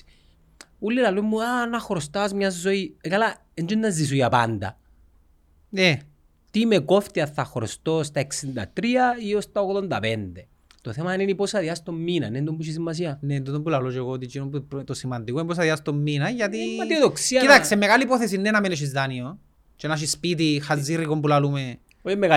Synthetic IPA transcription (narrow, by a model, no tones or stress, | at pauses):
ulːilɐloimːuanɐxɾost̪asmɲɐzːoikala | end͡ʒonːɐzis̬ujɐpa̰nd̪ɐ̰ | ne | t̪imekoft̪iɐθːɐxɾost̪ost̪ɐe̞ksind̪ɐ̰t̪ɾiɐiost̪ɐoɣðond̪ɐpend̪e | t̪oθemɐniniposɐðiɐst̪omːinɐ̰nend̪ombuʃ̬is̬imːɐs̬iɐnend̪ot̪ombulalot͡ʃeɣoːt̪̬it͡ʃinombut̪osimɐnd̪ikoinipos̬ɐðiɐst̪omːinɐʝɐt̪imaioðoksiɐit̪akssemeɣalipoθesinːenameneʃ̬izðanio | t͡ʃenaʃ̬ispit̪̬ixazːirikombulalume | oimːeɣ